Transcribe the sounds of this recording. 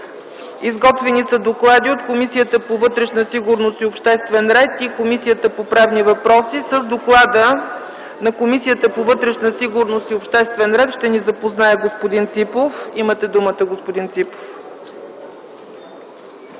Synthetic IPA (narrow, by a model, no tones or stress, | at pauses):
izɡɔt̪vɛnisɐd̪oklˠad̪iot̪komisijət̪əpovɤt̪ɾɛʃnəsiɡʊɾnosiopʃt̪ɛst̪vɛnɾɛt̪ikomisijət̪əpopɾɛvnivɐpɾɔsisəzd̪oklˠad̪ə | nɐkomisijət̪əpovɤt̪ɾɛʃnəsiɡʊɾnosiopʃt̪ɛst̪vɛnɾɛt̪ʃt̪ɛnizɐpoznaɛɡospod̪int̪sipofimət̪ɛd̪umət̪əɡospod̪int̪sipo̥f